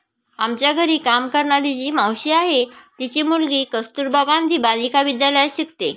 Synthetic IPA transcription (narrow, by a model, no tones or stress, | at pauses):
amt͡ɕjaɡʱəɾiːkamkəɾɳaɾid͡ʑiːmə̃wɕiaɦet̪it͡ɕimulɡiːkəst̪uːɾbʱaɡãnd̪ʱiːbanikaʋid̪jaləjɕik̚t̪e